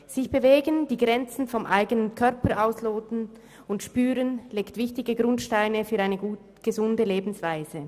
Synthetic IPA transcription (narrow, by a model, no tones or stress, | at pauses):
z̥ɪçb̥əveːɡənd̥iːɡʁɛnt͡sn̩fɔmʔaɪɡənənkʰœʁpəʔaʊsloːtn̩ | ʊntʃpyːʁənleːktv̥ɪçtɪɡəɡʁʊntʃtaɪnəfyːʁaɪnəɡuːt | ɡ̥əzʊndəleːbn̩sv̥aɪzə